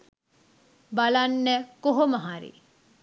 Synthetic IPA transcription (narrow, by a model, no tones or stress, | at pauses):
balanːɛkoɦomaɦaɾḭ